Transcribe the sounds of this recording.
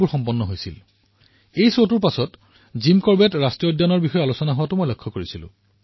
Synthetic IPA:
uɹxɔmpɔnːɔɦojsḭl | ejsotuɹpasɔt | zimkɔɹbɛtɹastiɔdʱjɔnɔɹbixɔjɛalusɔnaɦowatʊmojlɔkʰːɔkoɹisilʊ̰̃

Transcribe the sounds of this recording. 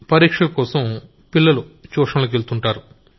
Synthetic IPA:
pɐɾiːkʂɐkɔːsɐm | pilːɐlut͡ʃɔːʂɐnlɐkelt̪uɳʈaːɾu

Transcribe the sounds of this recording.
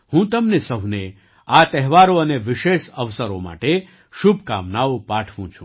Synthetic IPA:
hũt̪əmnesəɦne | at̪ɛɦʋaɾoəneʋɪʃeʃəʋsəɾo̰ma̰ʈe | ʃubʱka̰mnaopaʈʰʋũt͡ʃʰũ

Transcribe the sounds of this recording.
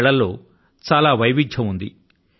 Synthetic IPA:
ɭɐlːo̞ː | t͡ʃaːlaːʋɐjʋid͡ʒʱɐmund̪ḭ

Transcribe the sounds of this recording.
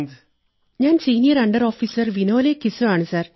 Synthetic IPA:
ɲaːnsiːnijɐɾɐɳɖɐɾoːfiːsɐɾʋinoːleːkːisɨaːɳɨsaːɾ

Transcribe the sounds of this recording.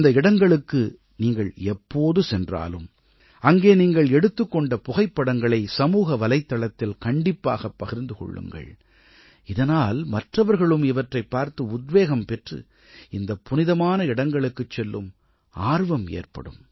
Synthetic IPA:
nd̪ɐɪɽɐŋɡɐɭɯkːɯ | niːŋɡɐɭɛpːoːðɯsɛndra̰ːlɯ̰m | ɐŋɡeːniːŋɡɐɭɛɽɯt̪ːɯkːɔɳɖɐpʊɣɐɪpːɐɽɐŋɡɐɭɐɪsɐmuːɣɐʋɐlɐɪt̪ːɐɭɐt̪ːɪlkɐɳɖɪpːa̰ːɣɐpːɐɣɪɾnd̪ɯkɔ̰ɭːɯ̰ŋɡɐ̰ɭ | ɪðɐnaːlmɐʈrɐʋɐɾɣɐɭɯmɪʋɐʈrɐɪpːaːɾt̪ɯʊd̪ʋeːɣɐmpɛʈrɯ̰ | ɪnd̪ɐpʊnɪðɐmaːnɐɪɽɐŋɡɐɭɯkːɯt͡ʃːɛlːɯm | aːɾʋɐmḛːrpɐ̰ɽɯ̰m

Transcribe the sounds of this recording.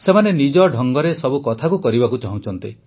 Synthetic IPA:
semanenid͡ʒɔɖʱɔŋɡɔɾesɔbukɔt̪ʰakukɔɾibakut͡ʃaɦũt͡ʃʰɔnt̪i

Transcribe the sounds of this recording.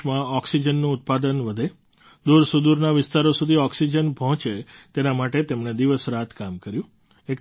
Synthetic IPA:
mãɔksid͡ʒənːũːt̪̚pad̪ənʋəd̪ʱe | d̪uɾsud̪uɾnaʋɪst̪aɾosud̪ʱiɔksid͡ʒənbʱɔ̃t͡ʃet̪enamaʈet̪emned̪iʋəsɾat̪ʰkamkəɾjũ | ek

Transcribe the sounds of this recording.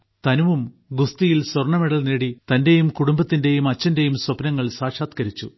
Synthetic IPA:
t̪ɐnuʋum | ɡust̪ijilsworɳɐmeɽɐlneːɽit̪ɐnde̞jumkuɽumbɐt̪ːinde̞jumɐt͡ɕːɐnde̞jumswɐpnɐŋːɐɭsaːʂaːt̪kɐɾit͡ɕːṵ

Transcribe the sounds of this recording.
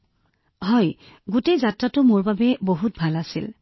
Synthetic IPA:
ɦɔj | ɡutejzatɹatʊmʊɹbabɛboɦut̚bʱalasil

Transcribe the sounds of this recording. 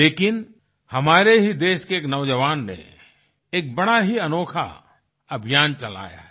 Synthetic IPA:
leːkɪn | hɐmaːɾeɦid̪eːʃkeeːknɐʊd͡ʒəʋaːnːḛ | eːk̚bɐɽaɦiɐnoːkʰa̰ | ɐbʱijaːnt͡ʃɐla̰ːja̰ɦɛ

